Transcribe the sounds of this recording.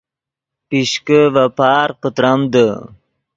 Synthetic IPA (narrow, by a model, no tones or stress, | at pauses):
piɕkəvapaːɾqət̪ɾamd̪ə